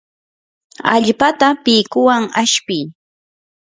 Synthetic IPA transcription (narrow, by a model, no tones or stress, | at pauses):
a̰ʎpat̪apɪkʊwaŋaʃpɪj